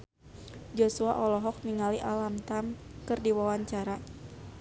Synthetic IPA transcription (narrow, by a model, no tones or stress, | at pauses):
d͡ʒosua̰ʔɔlɔɦɔk̚niŋaliʔalamt̪amkɨrdiwawaɲt͡ʃaɾa